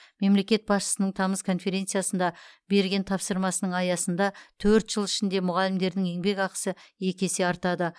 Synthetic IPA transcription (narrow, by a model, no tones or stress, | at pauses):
me̞mle̞kʲe̞t̪̚bɑsʃə̥sənəɴt̪ʰɑməskʰo̞nfe̞ɾʲe̞nt̪sɨjasənd̪ɑbe̞ɾɡʲe̞nt̪ʰɑpsəɾmɑsənəɴɑjɑsənd̪ɑt̪ʰɵɾt̪ʒ̥əlˠɪʃɪnd̪e̞mʊʁɑlɪmd̪e̞ɾd̪ɪŋe̞ŋbe̞kɑqə̥səe̞kʲe̞seɑɾt̪ɑd̪ə